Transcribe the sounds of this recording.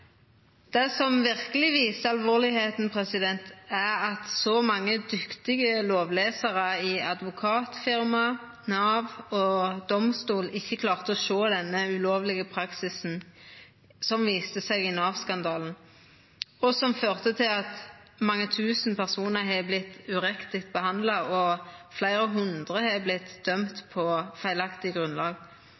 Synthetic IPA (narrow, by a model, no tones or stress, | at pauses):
d̪̥ɛsɔmʋɪʁkəlɪʋiːsəɑlʋoːʁlɪheːt̪n̩pʰʁɛsɪd̪ɛnt̪æʁɑt̪sɔmɑŋːəd̪ʏkt̪ɪɡəloːʋleːsəʁəɪɑd̪ʋʊkʰɑːt̪fɪʁmɑ | nɑːʋɔd̪ɔmst̪uːlɪçːəkʰlɑːʁt̪əɔʃoːd̪ɛnːəʉloːʋlɪɡəpʰʁɑksɪsn̩ | sɔmʋiːst̪əsɛɪɡɪnɑːʋskɑnd̪ɑːln̩ | ɔsɔmføːʁt̪ət̪ʰɪlɑt̪mɑŋːət̪ʰʉːsn̩pʰæʁsuːnəʁɦɛblɪt̪ːʉʁɛkt̪ɪkt̪̚bəhɑnd̪lɑɔflæɪʁəɦʉnd̪ʁəhɛblɪt̪d̪̥œmt̪pʰɔfæɪlɑkt̪ɪɡʁʉnlɑːɡ